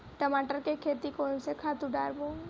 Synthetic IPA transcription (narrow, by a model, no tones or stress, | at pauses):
ʈəmaːʈəɾkekʰeːt̪ikoʊnsekʰaːt̪ũɖa̰ːɾbõː